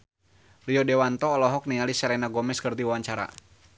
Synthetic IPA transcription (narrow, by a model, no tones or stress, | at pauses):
riɔdɛwant̪ɔːlɔɦɔk̚niŋalisaɾɛnaɡɔmɛskərd̪iwawaɲt͡ʃaɾa̰